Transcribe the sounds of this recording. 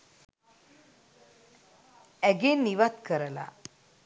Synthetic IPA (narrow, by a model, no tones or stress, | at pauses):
ɛɡenːiʋat̪kəɾəla̰